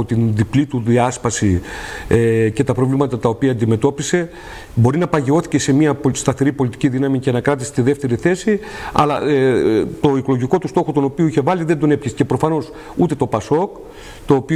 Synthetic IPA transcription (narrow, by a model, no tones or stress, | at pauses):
ot̪inðiplit̪uðiɐspɐsiece̞t̪ɐpɾo̞vlimɐt̪ɐt̪ɐopiɐːnd̪ime̞t̪o̞pise̞ | bo̞ɾinɐpɐʝeo̞θi̥ce̞se̞miɐst̪ɐθe̞ɾipo̞lit̪i̥ciðinɐmicenɐkɾɐt̪ise̥t̪iðe̞ft̪e̞ɾiθe̞siɐ̰lɐ | t̪o̞ikolo̞ʝiko̞t̪ust̪o̞xo̞t̪o̞no̞pioiçe̞vɐliðend̪o̞ne̞pçisce̞pɾo̞fɐno̞s | ut̪e̞t̪o̞pɐso̞k | t̪o̞ːpi